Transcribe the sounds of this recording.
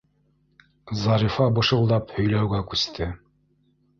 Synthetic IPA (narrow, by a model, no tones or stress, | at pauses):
zɑɾifɑbɤ̆ʃɤ̆lˠd̪ɑphɵ̆jlæwɡækʉst̪ʰɘ